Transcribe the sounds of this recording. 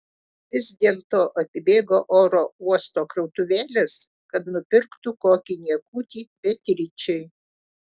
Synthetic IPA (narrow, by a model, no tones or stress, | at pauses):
ʋʲɪzd̪ʲeːlˠt̪oːʔɐpʲɪbʲeːɡoːʔoːɾoːuɔst̪oːkɾɐʊt̪ʊʋʲæːlʲɛs | kɐt̪nʊpʲɪɾkt̪ʊkoːkʲɪnʲiɛkuːt̪ʲiːbʲɛt̪ʲɾʲɪt͡ʃʲɛɪ